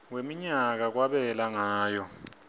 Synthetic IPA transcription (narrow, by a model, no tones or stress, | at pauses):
wemiɲak̬ak̬waɓɛlaŋaːjɔ